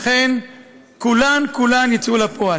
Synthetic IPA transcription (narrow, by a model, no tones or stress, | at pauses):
χen | kulankulanjit͡sulapoa